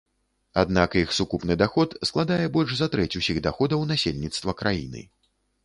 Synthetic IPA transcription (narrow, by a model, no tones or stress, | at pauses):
ad̪nakjixsukupnɨd̪axɔt̪sklˠad̪ajɛbɔlʲʂzɐt̪ɾɛt͡sʲusʲiɣd̪axɔd̪ɐwnasʲelʲnʲit̪st̪vɐkɾajḭnɨ̰